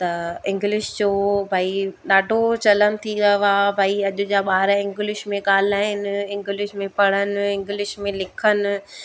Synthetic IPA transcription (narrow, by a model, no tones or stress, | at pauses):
t̪ɐɪ̃ŋɡlɪʃd͡ʑoːbʱaːiɗaːɖʱot͡ɕɐləmt̪ʰiɡɐʋaːbʱaːiɐʄʊ̆d͡ʑaɓaːɾaɪ̃ŋɡlɪʃmẽɠaːl̤aːɪnɪ̆ɪ̃ŋɡɪlɪʃmẽpɐɽ̤ənɪ̆ɪ̃ŋɡlɪʃmẽlɪkʰənɪ̆